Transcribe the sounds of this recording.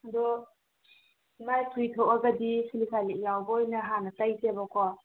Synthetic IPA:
dɔ | majtʰujtʰoʔaɡadisʰilikʰalijawbɔjnɐɦanɐtajsebɔkʰɔ

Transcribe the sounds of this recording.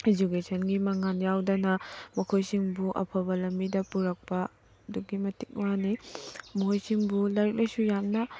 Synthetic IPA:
ed͡ʒukesʰɐnɡimɐŋanjawdɐnɐmɐkʰojsiŋbuʔɐ̰pʰɐbɐlɐmbidɐpuɾɐk̚pɐ | duɡimɐti̥k̚wanimuhojsiŋbulɐɾik̚lʔɐjsujamnɐ

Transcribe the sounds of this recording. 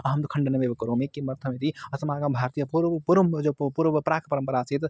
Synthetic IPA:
əɦəmt̪okʰəɳɖənemebəkəɾomekimɐɾt̪ʰəmet̪iɐsɐmaɡabʱaɾt̪ijəpuɾpuɾəmd͡ʒopuɾʋəpɾakʰpəɾəmpəɾat͡ʃʰit̪

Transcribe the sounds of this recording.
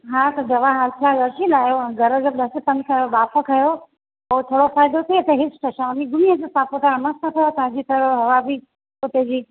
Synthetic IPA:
ɦãːt̪ɐd̪ɐʋaɦaltʰaɡɐɾʃilaːjõɡʱɐɾəɡɗɐsɪpɐnkʰãobaːpʰəkʰɐjo | oːt̪ʰoːɽofaːɪd̪ot̪ʰet̪eɦɪsʈʰɐʃãʊniɡʊniəd͡ʑosãːpʊt̪aɾmɐst̪ʰət̪ʰɐjot̪ɐãd͡ʑit̪ʰɐɾoɦɐʋabi | pʊt̪ed͡ʑiː

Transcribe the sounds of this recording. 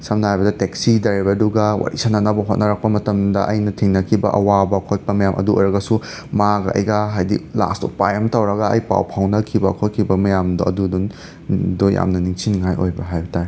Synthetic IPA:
sɐmnɐɦajbɐdɐteksidɐɾibɐduɡɐwa̰ɾḭsananɐbɐɦot̚nɐɾak̚pɐmɐtɐmdɐ̰ʔɐjnɐtʰiŋnɐkʰibɐ̰ʔɐwabɐkʰoj̚pɐmɐjamʔɐ̰duo̰jɾɐɡɐsu | maɡɐʔɐ̰jɡaɦajdḭla̰sto̰pajɐmtɐwɾɐɡɐɐjpa̰wpʰawnɐkʰibɐkʰot̚kʰibɐmɐjamdoɐ̰dudun | doja̰mnɐniŋsinŋajo̰jbɐɦajbɐtaɾi

